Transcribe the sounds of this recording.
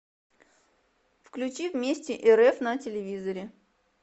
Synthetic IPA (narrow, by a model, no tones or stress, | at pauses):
fklʲʉt͡ɕivmʲesʲtʲɪʔɛɾɛfnətʲɪlʲɪvʲizəɾʲɪ